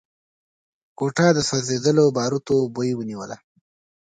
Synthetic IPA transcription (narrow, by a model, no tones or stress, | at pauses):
koʈɑd̪əsazed̪əlobɑɾut̪obojwəniwəla